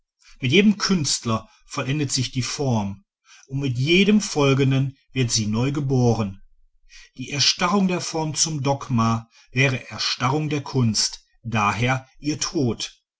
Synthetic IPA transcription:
mɪtjeːdəmkʰʏnstlɐ | fɔlʔɛndətz̥ɪçd̥iːfɔɐm | ʔʊntmɪtjeːdəmfɔlɡən̩dənvɪɐtz̥iːnɔʏɡəboːʁən | d̥iːʔɛɐʃtaʁʊŋdeːɐfɔɐmt͡sʊmdɔɡma | vɛːʁ̞əʔɛɐʃtaʁʊŋdeːɐkʰʊnst | d̥aːɦeːɐʔiːɐtʰoːt

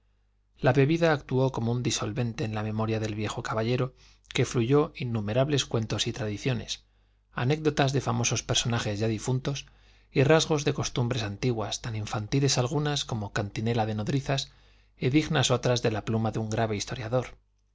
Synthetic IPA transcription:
laβe̞β̞iðaːkt̪uo̞ko̞mound̪iso̞lβe̞nt̪e̞ːnlamẽ̞mo̞ɾjaðe̞lβje̞xo̞kaβaʎe̞ɾo̞ | ke̞fluʝo̞ʔinːume̞ɾaβle̞skwe̞nt̪o̞sit̪ɾaðiθjo̞ne̞̰s | a̰ne̞ɡ̚d̪o̞t̪azðe̞famo̞so̞spe̞ɾso̞naxe̞zʝaðifunt̪o̞s | irazɣ̞o̞zðe̞ko̞st̪umbɾe̞sant̪iɣwast̪aniɱfant̪ile̞salɣ̞unasko̞mo̞kant̪ine̞laðe̞no̞ðɾiθas | iðiɣnaso̞t̪ɾazðe̞laplumaðuŋɡɾaβe̞ist̪o̞ɾjaðo̞ɾ

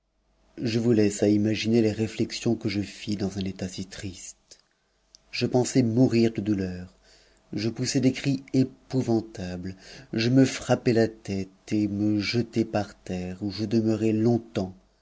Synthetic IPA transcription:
ʒəvulɛsaimaʒineleʁeflɛksjɔ̃kəʒəfid̪ɑ̃zɛ̃net̪asit̪χist̪ | ʒ̥əpɑ̃sɛmuʁiʁd̪əd̪ulœːʁ | ʒəpusɛd̪ekχiepuvɑ̃t̪ablʒəməfχapɛlat̪ɛt̪eməʒət̪epaʁt̪ɛʁuʒəd̪əmœʁɛlɔ̃t̪ɑ̃

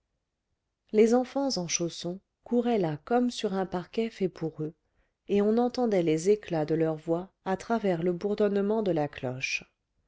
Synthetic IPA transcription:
lezɑ̃fɑ̃zɑ̃ʃosɔ̃ | kuʁɛlakɔmsyʁɛ̃paʁkʲɛfɛpʰuʁø | eɔ̃nɑ̃t̪ɑ̃d̪ɛlezeklad̪əlœʁvwaː | t̪χavɛʁləbuʁd̪ɔnmɑ̃d̪əlaklɔ̰ʃ

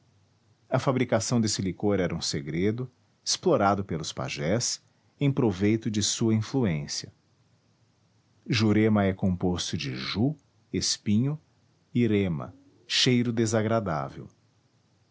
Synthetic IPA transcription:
ɐfabɾikasɐ̃d̪esɪlikoɾɛɾɐũseɡɾed̪ʊ | esploɾad̪ʊpelʊspa̰ʒɛs | ẽj̃pɾovejt̪ʊd͡ʒɪsuɐĩfluẽsiɐ | ʒuɾemɐɛkõpost̪ʊd͡ʒɪʒu | espĩɲʊ | iɾẽmɐ̰ | ʃejɾʊd̪ezaɡɾad̪a̰vḛw

